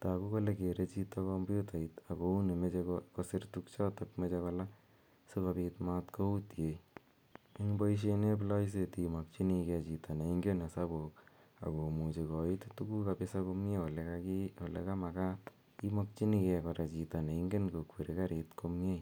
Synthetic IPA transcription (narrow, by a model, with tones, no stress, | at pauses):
taku˦ko˦le˦ke˨ɾe˧t͡ʃi˦tːakɔmbu˦ta˨ita˨ko˨u˦ne˨me˦t͡ʃekɔkosi˦ɾtukt͡ʃɔ˦tokmet͡ʃekɔla | so˦ka˨pitmatko˦u˦tje | i˦ŋbɔ˦iʃ̬ene˦p̬la˦js̬etimɔ˨k̚t͡ʃi˦ni˧kɛt͡ʃita˨na˨i˦ŋɡe˦nasa˦bok | a̰˨ko˨mu˨t͡ʃe˧kɔ˨i˦ttuku˦kapesa˦komjeo˨lekaki˦o˨lḛka˦ma˨ka˦t | ki˦mɔ˦k̚t͡ʃi˦ni˦kɛkɔ˨ɾa˨t͡ʃita˨ne˨iŋɡe˦nko˨kwe˨ɾeka˦ɾitkomje˦